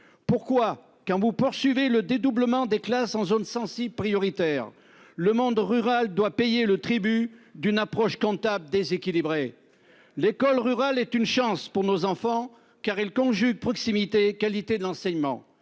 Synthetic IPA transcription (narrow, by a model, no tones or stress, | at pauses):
puʁkwa | kɑ̃vupuʁsɥiveləd̪ed̪ubləmɑ̃d̪eklasɑ̃zonsɑ̃sibpχijɔʁit̪ɛːʁ | ləmɔ̃d̪ʁyʁald̪wapɛjelət̪χibyd̪ynapχɔʃkɔ̃t̪abld̪ezekʲilibʁe | lekɔlʁyʁalɛt̪ynʃɑ̃spuʁnozɑ̃fɑ̃ | kaʁilkɔ̃ʒyɡ̚pχɔksimit̪ekalit̪ed̪əlɑ̃sɛɲmɑ̰̃